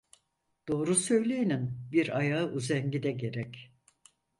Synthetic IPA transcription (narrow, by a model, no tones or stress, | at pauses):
d̪̥o̞ːɾusø̞jlʲejininbiɾajaɯʔuzɛɲɟid̪ɛɟe̞ɾɛc